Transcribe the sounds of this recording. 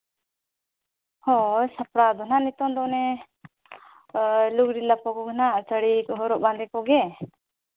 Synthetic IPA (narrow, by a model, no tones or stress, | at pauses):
hɔjsapɾad̪ɔnaʔnit̪ɔnd̪ɔʔnɛ | luɡɾilapɔkɔɡənaʔt͡ʃəɽikɔɦɔɾɔʔband̪ɛkɔɡɛ